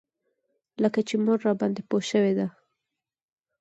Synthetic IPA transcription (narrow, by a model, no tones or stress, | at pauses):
ləkat͡ʃemʊɾːɑbɑnd̪epoʃəwed̪a